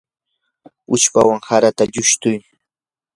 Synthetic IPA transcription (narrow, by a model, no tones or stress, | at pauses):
ʊt͡ʃpawaŋhaɾat̪aʎʊʃt̪ʊj